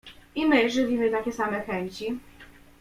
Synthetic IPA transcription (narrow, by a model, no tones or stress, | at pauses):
imɘʐɘvʲimɘt̪akʲɛsamɛxɛɲt͡ɕi